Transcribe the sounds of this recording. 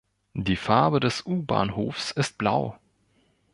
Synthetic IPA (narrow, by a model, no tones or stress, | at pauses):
d̥iːfaɐbədɛsʔuːba̰ːnɦoːfsɪst̚b̥laʊ